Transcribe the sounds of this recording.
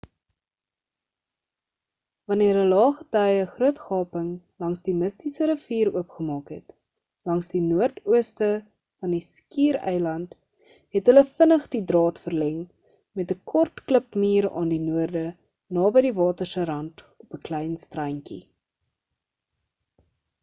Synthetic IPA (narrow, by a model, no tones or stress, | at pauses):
vɐniəɾɦəlɑːχətɛjəχruətχɑːpəŋ | lɐŋsdiməstisəɾəfiːɾuəpχəmɑːkɦɛ̰t | lɐŋsdinuərtuəstə | fɐndiskiːɾɛ̰jlɐnt | ɦɛtɦələfənəχdidrɑːtfərlɛŋ | mɛtəkʰɔrtkləpmiːɾɑ̰ːndinuərdə | nɑːbəjdivɑːtərsəɾɐnt | ɔpəklɛjnstrɐjŋkḭ